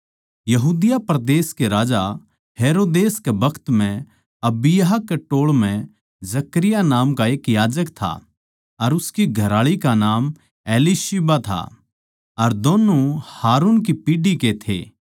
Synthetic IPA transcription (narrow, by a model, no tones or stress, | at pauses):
jɐɦuːd̪ɪjapɾɐd̪eːskeɾaːd͡ʒa | heːɾoːd̪eːskebɐkʰt̪m̤ɛ̃ | ɐbɪjɦakːeʈoːɭmɛ̃ | d͡ʒɐkɾɪjanaːmkaeːkjaːd͡ʒəkt̪ʰa̰ | ɐɾʊskiɡʱɐɾaːɭikanaːm | eːliʃibat̪ʰa̰ | ɐɾd̪oːnuhaːɾuːnk̬ipiːɖiket̪ʰḛː